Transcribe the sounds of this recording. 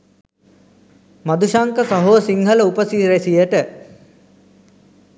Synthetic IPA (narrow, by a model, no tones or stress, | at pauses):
mad̪uʃaŋkəsɐɦoːsiŋɦələupəsiɾesijəʈə